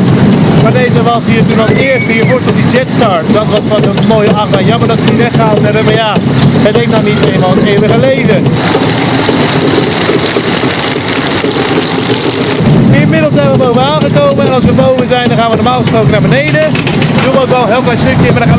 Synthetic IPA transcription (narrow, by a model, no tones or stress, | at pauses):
maːɹdejzəʋɑsɦiːɹtunɔlˠdəɪːɹstiːɹvʊːɹstlˠdid͡ʒɛtstɑɹtdɑtʋɑsfɑtəmojˠaːχəmaːnjɑməɹdɑtʋəiːɹɛχaːtɛɾəmaːɹjaːədejknawnitejmaːlˠətejwəχəlejvə | ɪnmɪdəl̩ˠsɛjnʋəbowvəaːnχəkowməɛnɑlˠs̬ʋəbowvəzɛjndɑnχaːnʋənɔɹmaːlˠχəsprowkənaːɹbənejdə | əduːlˠʋəowkʋɛlˠɦɪːlˠklɛjstɵkjəsmaːdaχaː